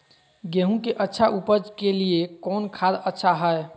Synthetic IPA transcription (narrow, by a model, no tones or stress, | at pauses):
ɡeɦũkeʔətːʃʰaʔupəd͡ʒkeliekɔːnkʰad̪ətːʃʰaɦəe